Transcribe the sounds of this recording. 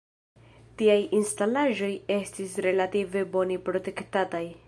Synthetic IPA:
tiajinstalaʒo̞je̞stisɾe̞lative̞bo̞nipɾo̞te̞ktataj

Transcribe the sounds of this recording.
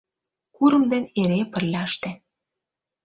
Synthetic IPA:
kuɾə̆md̪eneɾepə̆rlʲɑʃt̪ĕ

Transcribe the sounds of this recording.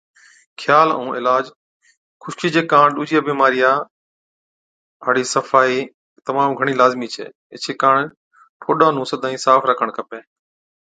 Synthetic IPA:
kʰjaːlə̰ũːʔɪlaːd͡ʒ | kʰʊʃkiːd͡ʒeːkãːɳɗuːd͡ʒijaːbiːmaːɾɪjaː | ɦaːɽiːsəfaːiː | t̪əmãːmɡʱəɽ̃iːlaːzmiːt͡ʃʰḛː | ɪt͡ʃʰeːkaːɳ | ʈʰoːɗãːnũːsəd̪ʱaːĩːsaːfɾəkʰəɳ̃kəpeː

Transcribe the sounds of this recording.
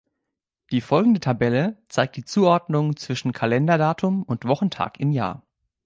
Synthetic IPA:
d̥iːfɔlɡŋ̩dətʰabɛlət͡saɪk̚t̚d̥iːt͡suːʔɔɐdnʊŋt͡sv̥ɪʃn̩kʰalɛndɐdaːtʰʊmʊntv̥ɔχn̩tʰa̰ːkɪmja̰ːɐ

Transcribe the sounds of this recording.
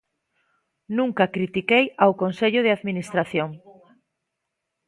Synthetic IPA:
nũŋkakɾit̪ikejawkonseʎʊð̞ɪaðminist̪ɾaθjoŋ

